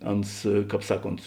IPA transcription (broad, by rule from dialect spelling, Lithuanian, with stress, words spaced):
ˈɐns ˈkɑːp ˈsɑːˌkoːnt